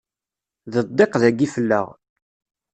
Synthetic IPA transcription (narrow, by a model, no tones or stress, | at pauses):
ðəd̪ˤːeqðæɡːifəlːə̰ʁ